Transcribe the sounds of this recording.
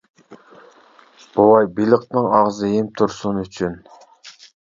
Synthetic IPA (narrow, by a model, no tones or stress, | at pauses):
b̥owˠɑjbilˠɨqnɨŋɑʁzɨjemt̪ʰʊɾsʊnyt͡ʃʰyn